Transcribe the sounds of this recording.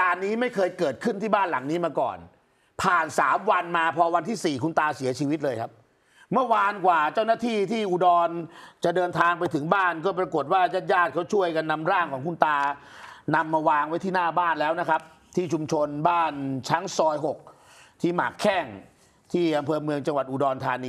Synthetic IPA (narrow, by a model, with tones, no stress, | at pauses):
kaː˨˩nːiː˦˥ma˥˩jkʰɤː˧jkɤː˨˩t̪̚kʰɯ˥˩nt̪ʰiː˥˩baː˥˩nla˨˩˦ŋniː˦˥maː˧kɔ̰ː˨˩n | pʰaː˨˩nsaː˩˦mwa˧nmaː˧pʰɔː˧wa˧nt̪ʰiː˥˩siː˨˩kʰu˧nt̪aː˧si˨˩˦ɐt͡ɕʰiː˧wi˦˥t̪̚lɤː˧jkʰa˦˥p̚ | mɯ˥˩ɐwaː˧nkwaː˨˩t͡ɕaː˥˩wnaː˥˩t̪ʰiː˥˩t̪ʰiː˥˩ʔu˨˩dɔː˧nt͡ɕa˨˩dɤː˧nt̪ʰaː˧ŋpa˧jt̪ʰɯ˩˦ŋbaː˥˩nkɔː˥˩pɾa˧ko˨˩t̪̚waː˥˩ja˦˥˩t̪̚jaː˥˩t̪̚kʰa˦˥wt͡ɕʰu˥˩əjka˧nːa˧mɾaː˥˩ŋkʰɔː˩˦ŋkʰu˧nt̪aː˧na˧mːaː˧waː˧ŋwa˦˥jt̪ʰiː˥˩naː˥˩baː˥˩nlɛː˦˥wna˦˥kʰa˦˥p̚ | t̪ʰiː˥˩t͡ɕʰu˧mt͡ɕʰo˧nbaː˥˩nt͡ɕʰa˦˥ŋsɔː˧jɦo˨˩k̚ | t̪ʰiː˥˩ma̰ː˨˩kʰːɛː˥˩ŋ | t̪ʰiː˥˩ʔa˧mpʰɤː˧mɯ˧əŋt͡ɕa˧ŋwa˨˩t̪̚ʔuː˨˩dɔː˧nt̪ʰaː˧niː˧